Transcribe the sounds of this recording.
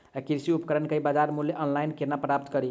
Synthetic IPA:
akiɾsiupkəɾənkəibad͡ʒaɾmuljeʔənlajnkenapɾap̚t̪kʌɾi

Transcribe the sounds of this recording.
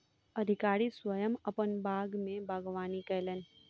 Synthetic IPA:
ɐd̪ʱɪkaːɾiswəjəmɐpənbaːɡmẽbaɡʋaːnikɛlen

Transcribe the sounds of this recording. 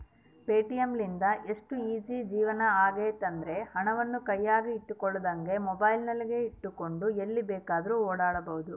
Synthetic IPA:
peːʈijemlind̪ɐʔe̞ʂʈuiːd͡ʒid͡ʒiːʋɐnɐaːɡeːt̪ɐnd̪ɾe̞hɐɳɐʋɐnːukɐjːaːɾiːʈːukɔɭːɐd̪ɐŋɡe̞mɔbɐjlnɐlːiɡe̞iʈːuko̞ɳɖuelːibɛːkaːd̪ɐɾuːoːɽaːɽɐbɐɦud̪u

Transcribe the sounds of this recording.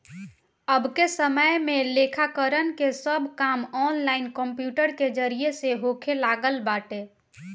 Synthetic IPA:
əbʱkesəməjmelekʰakəɾənkesəbʱkamɔnlaɪnkəmpjuːʈəɾked͡ʒəɾieseɦoːkʰelaːɡəlbaːʈe

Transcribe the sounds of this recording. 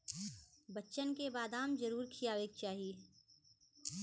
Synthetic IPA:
bətːʃənkebaːd̪aːmd͡ʒəɾuːɾkʰijaːʋeːk̚t͡ʃaːɦieː

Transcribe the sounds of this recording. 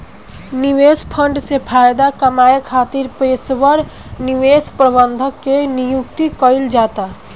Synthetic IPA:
niʋeːspʰə̃ɳɖsepʰaːjd̪akəmaːekʰaːt̪iɾpeːsʋəɾ | niʋeːspɾəbənd̪ʱəkːenijukt̪ikəɪld͡ʒaːt̪a

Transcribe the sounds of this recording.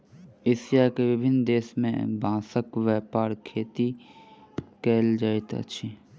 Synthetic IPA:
esjakeʋɪbʱɪnd̪eːsmḛ̃bʱãːsəkʋjɛːpaːɾkʰeːt̪i | keːld͡ʒaːet̪ə̰ʃʰi

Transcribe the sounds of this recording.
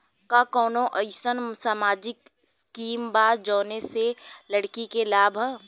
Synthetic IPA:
kakɔːnõʔəɪsənsaːmaːd͡ʒɪkskiːmbaːd͡ʒɔːneseləɽkikelaːbʱ

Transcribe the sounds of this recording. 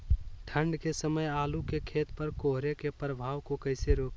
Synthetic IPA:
ʈʰə̃ɳɖkesəməjaːlukekʰeːt̪pəɾkoːɦɾekepɾəbʱaːʋkokəɪseɾoːk

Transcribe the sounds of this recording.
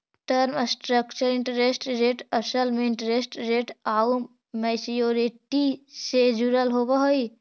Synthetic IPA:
ʈəɾmsʈɾəkt͡ʃəɾɪ̃ɳʈəɾesʈɾeʈəsəlmeɪɳʈəɾesʈɾeːʈaum | masijoɾiʈised͡ʒuɾəlɦobaɦoi

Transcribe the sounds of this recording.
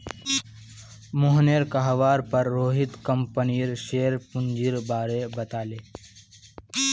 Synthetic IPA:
mʊɦneɾkaɦʋaːɾpɐɾːoːɦɪt̪kə̃mpəniɾʃeːɾpʊ̃nd͡ʒiɾbaːɾebɐt̪aːleː

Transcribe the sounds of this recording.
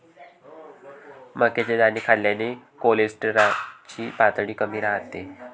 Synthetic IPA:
məket͡ɕed̪aniːkʰalːjanekolesʈɾat͡ɕiːpat̪ɽiːkəmiːɾaɦt̪e

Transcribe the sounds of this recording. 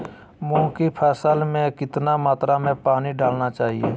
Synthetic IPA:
mɔ̃ːkipʰɛːsəlmẽkɪt̪namaːt̪ɾamẽpaːniɖaːlnat͡ʃaːɦiḛː

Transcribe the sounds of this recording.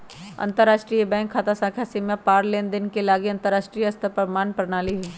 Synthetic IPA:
ɐ̰̃nt̪əɾːaːʃʈɾiːjebɛ̃ːŋkʰːaːt̪asãːkʰjasimjapaːɾleːnd̪ɪnkelaːɡiɐ̃nt̪əɾːaːʃʈɾijɐst̪ʰəpəmaːnpəɾnaːliɦiː

